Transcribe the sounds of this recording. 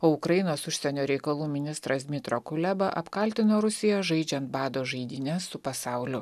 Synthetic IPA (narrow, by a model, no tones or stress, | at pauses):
oːʊkɾɐjɪnoːsʊʃʲsʲɛnʲoːɾʲɛɪkɐlˠuːmʲɪnʲɪst̪ɾɐsd̪ʲmʲɪt̪ɾoːkʊlʲæbɐʔɐpkɐlʲt̪ʲɪnoːɾʊsʲɪjoːʒɐɪd͡ʒʲɛnt̪̚bɑːd̪oːʒɐɪd̪ʲinʲɛsːʊpɐsɑˑʊlʲʊ